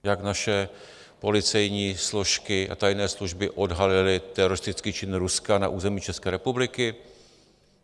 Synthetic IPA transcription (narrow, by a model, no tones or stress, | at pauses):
jaknaʃɛ | po̞lɪt͡sɛjɲiːsloʃkɪʔa̰t̪ajnɛːsluʒbɪʔo̞dɦalɪlɪt̪ɛɾo̞ɾɪst̪ɪt͡skiːt͡ʃɪnɾuskana̰ʔuːzɛmiːt͡ʃɛskɛːɾɛpublɪkɪ